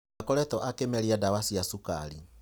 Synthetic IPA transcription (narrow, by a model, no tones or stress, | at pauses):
akɔɾɛtɔʔakemɛɾiadawasiasuka̰ɾi